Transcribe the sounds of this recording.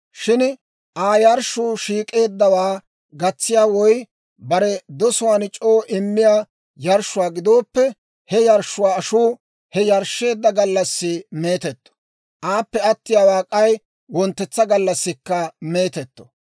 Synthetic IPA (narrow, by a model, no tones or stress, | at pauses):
ʃɪn | ʔaːjɐɾʃʊːʃiːkʼe̞ːd̪ːɐwaː | ɡɐt͡sːɪjaːwɔj | bɐɾɛd̪ɔsʊwaːnt͡ʃʼo̞ːʔɪmːɪjaː | jɐɾʃʊwaːɡɪd̪o̞ːpːɛ | hɛjɐɾʃːʊwaːɐʃuː | hɛjɐɾʃːe̞ːd̪ːɐɡɐlːɐsːɪme̞ːt̪ɛt̪ːɔ̥ | ʔaːpːɛɐt̪ːɪjaːwaːkʼɐj | wɔnt̪ːɛt͡sːɐɡɐlːɐsːɪkːɐme̞ːt̪ɛt̪ːɔ̥